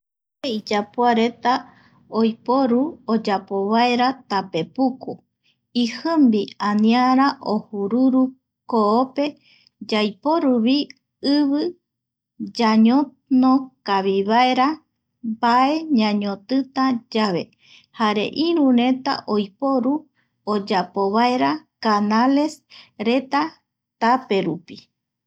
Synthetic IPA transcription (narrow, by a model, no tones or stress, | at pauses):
eid͡ʒapoaɾe̞t̪a | ojpoɾuod͡ʒapoβaeɾat̪ape̞puku | ihɨmbianĩaɾaʔohuɾuɾu | koope̞ | d͡ʒajpo̞ɾuβi | ɨβɨ | d͡ʒaɲõ | nõkaβiβaeɾa | bae̞ɲãɲõt̪ɨt̪ad͡ʒaβe̞̰ | haɾe̞̰ʔĩɾũɾẽ̞t̪a̰ʔojpo̞ɾu | od͡ʒapoβae̞ɾakanale̞sɾe̞t̪a | t̪ape̞ɾupi